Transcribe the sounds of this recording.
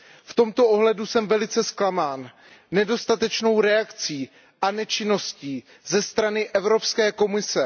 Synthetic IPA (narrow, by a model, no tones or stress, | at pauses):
ft̪o̞mt̪o̞ʔoɦlɛdusɛmvɛlɪt͡sɛsklamaːnː | ɛdo̞st̪at̪ɛt͡ʃno̞wɾɛakt͡siː | ʔanɛt͡ʃɪno̞sciː | zɛst̪ɾanɪʔɛvɾo̞pskɛːko̞mɪsɛ